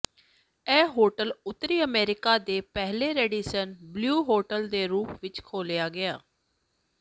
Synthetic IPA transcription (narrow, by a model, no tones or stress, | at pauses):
ɛːɦoːʈəlʊt̪ːɾiːəmeːɾɪkaːd̪eːpɛɦleːɾeːɖiːsənbljuːɦoːʈəld̪eːɾuːpʋɪt͡ʃkʰoːljaːɡɪjaː